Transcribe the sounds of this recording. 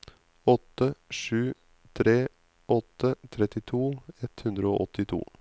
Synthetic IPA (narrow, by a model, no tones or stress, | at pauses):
ɔt̪ːəʂʉː | t̪ʰɾeː | ʔɔt̪ːət̪ʰɾɛt̪ɪt̪ʰuːɛt̪hʉnd̪ɾəo̰ːʔɔt̪ːɪt̪ʰṵː